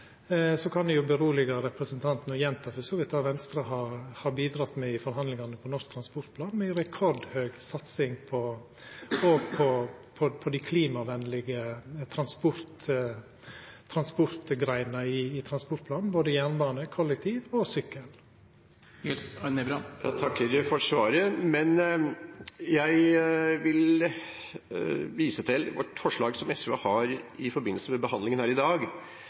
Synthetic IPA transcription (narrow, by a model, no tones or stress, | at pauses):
sɔkʰɑnd̪ɛjʊbəɾuːlɪɡɑɾɛpɾəsənt̪ʰɑnt̪n̩ɔjɛnt̪ʰɑfœsɔːʋɪt̪ʰɑːʋɛnst̪ɾəɦɑɾhɑɾbiːd̪ɾɑt̪ːmɛɪfɔɾɦɑnd̪lɪŋɑnəpʰɔnɔʂk̚t̪ʰɾɑnspɔɾʈ̪̚pʰlɑːnmɛɪɾɛkʰɔɾd̪høːɡsɑt̪sɪŋpʰɔ | oɡpʰɔpʰɔpʰɔd̪ɪkʰliːmɑʋɛnːlɪɡət̪ʰɾɑnspɔɾt̪ | t̪ʰɾɑnspɔɾt̪ɡɾæɪnəɪːt̪ʰɾɑnspɔʈ̚pʰlɑːnn̩boːd̪əjæːnʋɑːnəkʰɔlːɛk̚t̪ʰiːʋɔsʏkːəl | nbɾɑjɑ̰t̪ʰɑkːəɾfɔʂʋɑːɾəmɛn | jæɪʋɪl | ʋiːsət̪ʰɪlʋɔ̰ʈːfɔʂɭɑːɡsɔmɛsʉʋɑ̰hɑɾɪfɔɾbɪn̩ːsəmɛbəhɑnd̪lɪŋənhæːɾɪd̪ɑːɡ